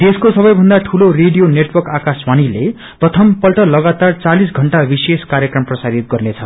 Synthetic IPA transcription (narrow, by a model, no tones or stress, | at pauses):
t̪eskosʌbʌjbʱʌnd̪aʈʰuloreɖijoneʈwʌrkakaswanile | prʌt̪ʰʌmpʌlʈʌlʌɡat̪art͡salis̬ɡʱʌɳʈabiseskaɾjʌkrʌmprʌsaɾit̪̚ɡʌrnet͡sʰʌ